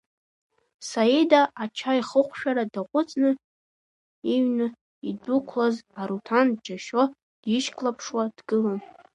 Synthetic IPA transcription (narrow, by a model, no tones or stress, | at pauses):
saedaʔat͡ʃʰaiχəχʷʃᶣaɾadaqʷʼʊt͡sʼnɨ | iɥnɨ | idukʷʰlazaɾutʰandd͡ʒaʃo | d̥iʃkʰʼlapʰʂwadɡɨlan